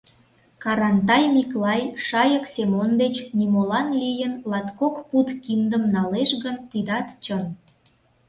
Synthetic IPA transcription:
kɑɾɑnt̪̬ɑjmiklɑjʃɑjəksemond̪et͡ɕnimolɑnlijənlɑt̪kokput̪kind̪əmnɑleʃɣənt̪id̪ɑt̪t͡ɕən

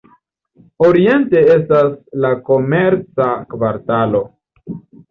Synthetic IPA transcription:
o̞ɾie̞nte̞e̞staslako̞me̞ɾt͡sakvaɾtalo̞

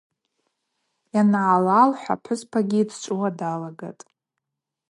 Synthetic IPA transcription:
janʕalalħʷᶣa̰pʰʊzpʰaɡʲiːdʰt͡ʃʷʼʊwadalaɡa̰tʼ

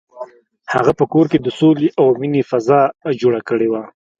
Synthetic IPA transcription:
ha̰ɣapəkoɾked̪əsoleʔawminefazɑd͡ʒoɽakəɽewa

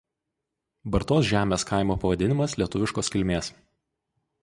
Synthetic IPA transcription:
bɐɾt̪oːsʒʲæːmʲeːskɐɪmoːpɐʋɐd̪ʲɪnʲɪmɐslʲiɛt̪ʊʋʲɪʃkoːskʲɪlʲmʲeːs

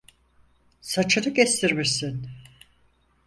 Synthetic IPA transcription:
sat͡ʃʰɯnɯɟɛst̪ʰiɾmiɾsin

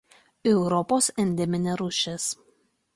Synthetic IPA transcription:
ɛʊɾɔpoːsɛnʲd̪ʲɛmʲɪnʲɛɾʊʃʲɛs

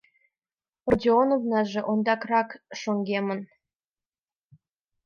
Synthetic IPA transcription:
rodʲionovnɑʒĕʔond̪ɑkrɑkʃoŋɡemə̆n

